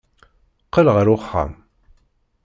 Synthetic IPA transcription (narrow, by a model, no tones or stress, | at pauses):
qəlʁəɾʊχːa̰m